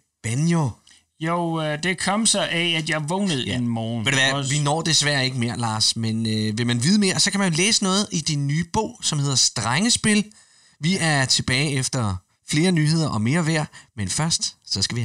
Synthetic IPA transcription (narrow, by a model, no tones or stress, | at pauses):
b̥ænjo | joʊd̥e̝kʰɒ̽msɒʔɛæd̥jɑ̈ɪʋɔːnəð̩ˠenmɒːndeæɐʋinɒ̰ːd̥e̝sʋæɐe̝ɡ̥əme̝ːɐ̰lɑ̰̈ːsmenøʋe̝mænʋið̞ˠəme̝ːɐsɒ̽kʰæmænjo̝leːsənɔ̽ːð̞̩ˠid̥inːyːb̥ɔ̰ʊ̰sɒ̽mhe̝ð̞̰ˠɐsd̥ʁaŋəsb̥e̝l | ʋiʔæɐt͡sʰe̝b̥ɛːɪefd̥ɐ | fle̝ːɐnyːhe̝ð̞̰ˠɐʔɒ̽me̝ːɐʋæɐ̰menfɶɐsd̥sɒ̽sɡ̥æʋi